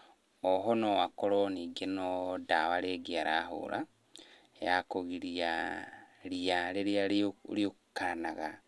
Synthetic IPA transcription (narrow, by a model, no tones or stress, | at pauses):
oɦonowakoɾoniɡenodawaɾeɡiaɾaɦo̰ɾʔa̰ | ejakoɣiɾia | ɾiaɾeɾiaɾio | kanaɣa